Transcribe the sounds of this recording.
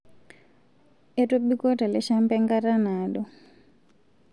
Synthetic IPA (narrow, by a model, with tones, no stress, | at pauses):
ɛto˦bi˦ko˦ta˨lɛ˦ʃampɛŋɡaɾa˦naɗɔ˨